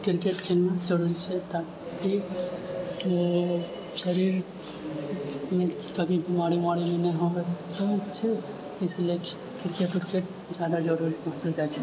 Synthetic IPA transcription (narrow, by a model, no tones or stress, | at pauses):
kɪɾkeʈkʰɪlməd͡ʒɐɾuːɾit͡ʃʰɛt̪aː | ki | ʃɐɾiːɾ | mẽ | kɐbʱibʱimaːɽimaːɽimẽnɐɦĩɦoɡet̪oɪtːʃʰe | ɪslie | kɪɾkeʈkɪɾkeʈ | d͡ʒjaːd̪ad͡ʒɐɾuːɾimãːt̪əld͡ʒaːt͡ʃʰe